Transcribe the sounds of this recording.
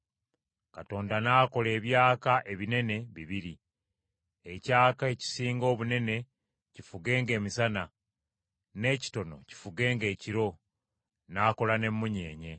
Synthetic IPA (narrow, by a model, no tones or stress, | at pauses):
kato̞ːndanaːko̞le̞ːβjaːkaʔe̞βine̞ne̞βiβiɾi | ecaːkae̞ci̥siːŋɡo̞ːβune̞ne̞ | cifuɡe̞ːŋɡe̞ːmisana | ne̞ːci̥to̞no̞̰ci̥fuɡe̞ːŋɡe̞ːciɾo̞ | naːko̞lane̞mːuɲe̞ːɲe̞